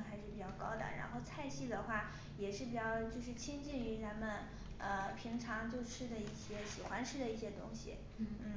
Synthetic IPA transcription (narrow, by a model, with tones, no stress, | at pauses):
ŋxa˧˥ɪʂɻ̩˥˩pi˨˩t͡ɕjɑ˥˩ʊkɑ˥ʊd̪ə̰˨˩ɻa̰˧˥nxo˥˧ʊt͡sʰa˥˧ɪɕi˥˩d̪ə˨xwa˥˩ | jɛ˨˩ʂɻ̩˥˩pi˨˩t͡ɕjɑ˥˧ʊt͡ɕjo˥˧ʊʂ̬ɻ̩˥˩t͡ɕʰi˥ŋt͡ɕi˥˩ny˧˥t͡sa˧˥nmə˧n | ə˧pʰi˧˥ŋʈ͡ʂʰɑ˧˥ŋt͡ɕjɔ˥˧ʈ͡ʂʰɻ̩˥d̪ə˨i˥˩ɕjɛ˥ɕi˨˩xwa˧˥nʈ͡ʂʰɻ̩˥d̪ə˨i˥˩ɕjɛ˥t̪ʊ˥ŋɕḭ˨˩ | n˥n̩˥˩